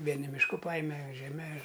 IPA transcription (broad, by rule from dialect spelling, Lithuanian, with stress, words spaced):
ˈʋʲiɛnʲɪ mʲɪʃˈkʊ ˈpɑːjɪmʲɛ ʒʲɛˈmʲɛ ɪr